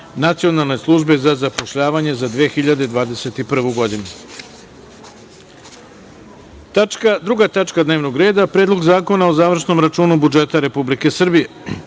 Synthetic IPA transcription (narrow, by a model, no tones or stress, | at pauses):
nat̪sijo̞nalˠne̞slˠuʒbe̞zazapo̞ʃʎaːʋaɲe̞zad̪ʋeːxiʎad̪ed̪ʋaːd̪e̞se̞t̪ipr̩ʋuɡo̞d̪inu | t̪akd̪ɾuɡat̪at͡ʂkad̪ne̞ːʋno̞ɡɾe̞ːd̪apɾeːd̪lo̞ɡzaːko̞nao̞zaːʋr̩ʃno̞mɾat͡ʃuːnubud͡ʒe̞t̪aɾe̞publike̞sr̩bije̞